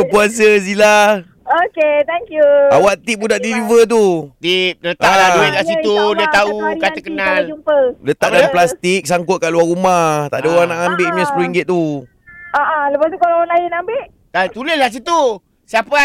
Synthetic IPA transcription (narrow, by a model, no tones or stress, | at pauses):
əpuas̬əs̬ila | oket̪ɛŋkjuawaʔt̪ip̚udaʔdilivət̪̬ut̪ip̚lət̪aãlauɪt̪̚lahsit̪udiət̪aukat̪əkənald͡ʒumpələt̪aʔdanplast̪ik̚saŋkʊt̪̚kaʔluarumaht̪aʔdəoɾaŋnaʔambɪʔməsəpɾiŋɡɪt̪̚t̪u | aʔaləpat̪ukalaanlajənambɪʔ | t̪at̪uləslahs̬it̪u | siapa